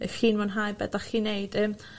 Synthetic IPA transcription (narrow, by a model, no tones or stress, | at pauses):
əxiːnmanɦajbɛ̰daχiːnejd̥ɛːm